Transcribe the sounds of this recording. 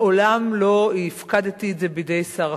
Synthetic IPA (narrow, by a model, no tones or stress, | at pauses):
olamlo̞ifkad̪et̪ieze̞bid̪e̞jsaʁ